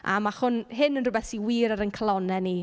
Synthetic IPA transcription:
a̰maχʊnɦɪnənrʊbɛθsiwiːɾaɾənkʰəlˠɔnɛni

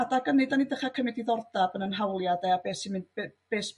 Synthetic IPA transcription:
adaɡənɨdanidəχakʰəmɪdiðɔrdabənənɦawlˠjadɛabeːsinmɨndbeb̥eːs

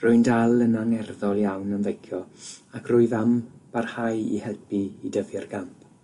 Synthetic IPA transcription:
rʊɨndalˠənaŋɛrðɔlˠjawnənvəɡʰjɔakʰrʊɨðamb̥arhajḭhɛlˠpʰiidəvɨrɡ̥amp̚ʰ

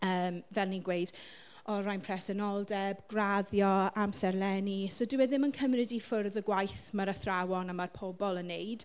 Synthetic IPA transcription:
əːmvɛlˠniɡwejd̥ | ɔrajnpʰrɛsənɔlˠdɛbɡraðjɔamsɛrlɛnisoːdɪwɛðɪmənkʰəmrɪdifʊrðəɡwajθmaɾəθrawɔnamarpʰɔbɔlˠənːejd̥

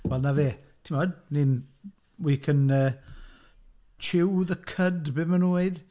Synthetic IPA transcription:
wɛlˠnaveː | tʰimɔd̚nin | wiːkʰənəː | t͡ʃʰɪwðəkʰədbemanuːweɨd̥

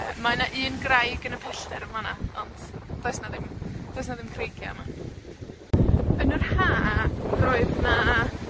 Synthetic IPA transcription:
manaʔɨːnɡrajɡənəpʰɛɬtɛɾəvanaɔndd̥oɨsnaðɪmd̥oɨsnaðɪmkʰrejɡjama | ənərhaːroɨðna

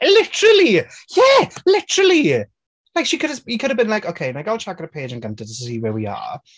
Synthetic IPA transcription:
lɪtʰəɹəlˠijɛlɪtəɹəlˠi | lajkʃikʰʊdəvikʰʊɾəvbĩnlaɪjkoʊkʰeɪnaɪɡolˠt͡ʃʰakəɾəpʰeɪd͡ʒə̃nɡə̃ntətʰəəsiːwɛwiə̰

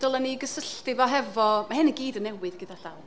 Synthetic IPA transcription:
d̥ɔlˠaniɡəsəɬtɪvɔɦɛvɔmahɨnəɡiːdənɛwɨðɡ̥ədaɬaw

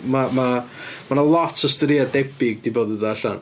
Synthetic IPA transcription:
mamamanalˠɔtʰəstəɾɪadɛbɪɡdiboːdəðaaɬa̰n

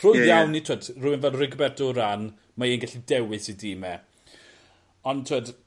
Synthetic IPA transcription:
r̥ʊjðjawnːitʰwədrʊwɪnvɛlˠrɪɡbɛrdʊɾan | maenɡaɬidɛwɨsidimɛ | ɔntʰuəd

